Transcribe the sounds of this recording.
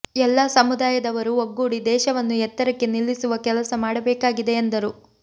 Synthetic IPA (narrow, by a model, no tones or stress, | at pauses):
ɛlːɐsɐmud̪aːjɐd̪ɐʋɐɾuoɡːuːɽid̪ɛːʃɐʋɐnːuɛt̪ːɐɾɐkːe̞nilːisuʋɐkɛlɐsɐmaːɽɐbɛːkaːɡid̪e̞ːnd̪ɐɾu